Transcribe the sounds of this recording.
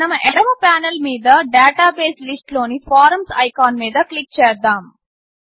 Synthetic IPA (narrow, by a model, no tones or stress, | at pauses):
nɐmɐʔeɽɐmɐpaːnɐlmiːd̪ɐɖaːʈaːbeːslisʈlo̞ːnipʰaːɾɐmsɐjkaːnmiːd̪ɐklik̚t͡ʃɛːd̪aːm